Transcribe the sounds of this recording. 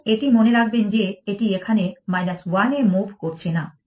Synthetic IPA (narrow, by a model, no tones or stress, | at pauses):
eʈimoneɾaɡ̚bend͡ʑeeʈiekʰanemajnaswanemubʱkoɾt͡ɕʰena